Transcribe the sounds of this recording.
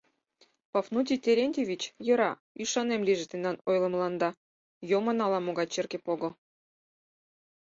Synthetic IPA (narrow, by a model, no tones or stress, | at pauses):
pɑfnut̪ʲit̪ʲeɾʲenʲtʲevʲit͡ɕjɤ̆ɾɑ | yʃɑnemlʲiʒĕt̪enːɑnojlˠɤ̆mlˠɑnd̪ɑ | jomɤ̆nɑlɑmoɡɑjt͡ɕerkepoɡŏ